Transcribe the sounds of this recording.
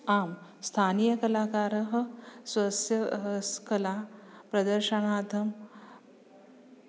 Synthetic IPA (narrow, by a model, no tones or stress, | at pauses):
aːmst̪ʰaːnijɐkɐlaːkaːɾɐɦɐ̆sʋɐsjɐskɐlaːpɾɐd̪ɐɾʃɐɳaːt̪ʰɐm